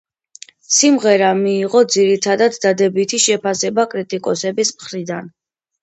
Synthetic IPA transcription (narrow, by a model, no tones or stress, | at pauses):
simʁɛɾamiːʁɔd̪ziɾit̪ʰad̪ad̪ːad̪ɛbit̪ʰiʃɛpʰasɛbakʼɾit̪ʼikʼɔsɛbismχɾid̪an